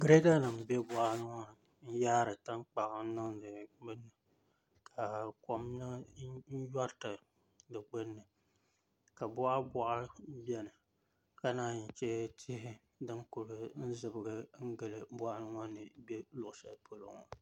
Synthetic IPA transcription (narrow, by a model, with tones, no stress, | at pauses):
ɡɾe˦ɡa˦nɨ˨mbe˦bɔ˦ʔnɨ˦ŋɔ˦ | n̩˦jaː˦ɾɨ˨ta˦ŋk͡pa˨ʔa˨˦nɔ˦ŋdɨ˨ɡ͡bɨ˦nːɨ˨ | kʰa˨kɔ˦mnɨ˦n̩˦jɔ˦ɾtɨ˨ | dɨ˨ɡ͡bɨ˦nːɨ˨ | ka˨bɔ˦ʔa˦bɔ˦ʔa˦bjɛ˨nɨ˨ | ka˦naː˦˨n̩˨t͡ʃɛ˦tʰi˦hɪ˦ | dɨ˦ŋku˨ɾɨ˦n̩˦zɨ˨bɨ˨ɡɨ˦ŋ̩˦ɡɨ˨lɨ˨bwa˦ʔa˦nɨ˦ŋɔ˦nɨ˨be˦lʊ˨ʔʊ˨sa̰˨˦po˦lo̰˨ŋɔ̰˨